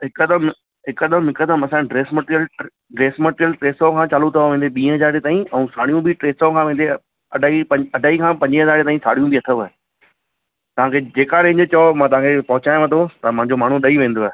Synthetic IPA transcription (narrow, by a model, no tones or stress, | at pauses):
ɦɪkəd̪əm | ɦɪkəd̪əmɦɪkəd̪əmɐsãɖɾeːsməʈɾijəl | ɖɾeːsməʈɾijəlʈɾeːsokʰãt͡ɕaːlut̪ʰɐʋaʋẽːnd̪eɓĩːɦɐzaːɾet̪aːɦĩɛ̃ũsaːɽ̤ijũbɪʈɾeːsokʰãʋẽːnd̪e | ɐɖʱaːipɐ̃ɐɖʱaːikʰãːpɐ̃ɲd͡ʑiɦɐzaːɾet̪aːɦĩsaːɽ̤ijũbiɐt̪ʰəʋe | t̪ɐʋ̤ãːkʰed͡ʑeːkaːɾẽɦɪ̃ɲd͡ʑet͡ɕomãːt̪ɐʋ̤ãːkʰepɐɦʊt͡ɕaːj̃ʋãt̪ʰot̪ɐmɐ̃ɦɪ̃ɲd͡ʑomaːɳ̤uɗɐiʋẽːn̆d̪oaɦe